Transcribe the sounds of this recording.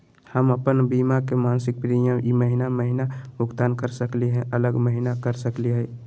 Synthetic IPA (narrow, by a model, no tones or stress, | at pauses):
həməpənbiːmakemaːnsɪk̚pɾijəmjiməɦinaməɦɪnabʱʊɡt̪aːnkəɾsəkliɦɛ̃ʔələɡməɦɪnakəɾsəkliɦɛ